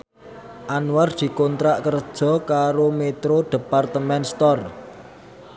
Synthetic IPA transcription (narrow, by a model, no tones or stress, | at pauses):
ʔanward̪̥i̤kont̪ɾaʔkərd̥ʒ̥ɔ̤kaɾomet̪ɾoɖ̥e̤part̪əmɛnst̪ɔr